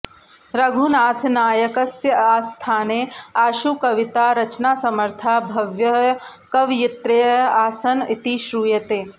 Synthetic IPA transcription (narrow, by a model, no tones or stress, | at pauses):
ɾɐɡʱunaːt̪ʰnaːjɐkɐsjɐaːst̪ʰaːneːaːʃukɐʋit̪aːɾɐt͡ʃnaːsɐmɐɾt̪ʰabʱɐʋjɐ | kɐʋjɪt̪ɾɐjɐaːsɐnit̪iʃɾuːjɐt̪eː